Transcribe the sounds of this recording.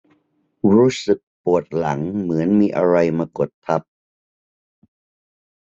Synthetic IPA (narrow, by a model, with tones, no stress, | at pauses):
ɾuː˦˥sɯ˨˩k̚pu˨˩ət̪̚la˩˦ŋmɯ˩˦ənmiː˧ʔa̰˧ɾa˧jmaː˧ko˨˩t̪ʰːa˦˥p̚